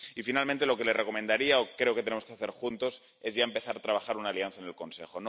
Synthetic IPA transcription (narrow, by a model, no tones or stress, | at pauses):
ifinalmẽnt̪̬e̞lo̞ke̞lere̞ko̞mẽ̞nd̪aɾiaokɾe̞o̞ket̪eneoskeaθe̞ɾxunt̪o̞s | e̞zʝae̞mpe̞θaɾat̪ɾaβaxaɾunaːlian̟θaene̞lko̞nse̞xo̞n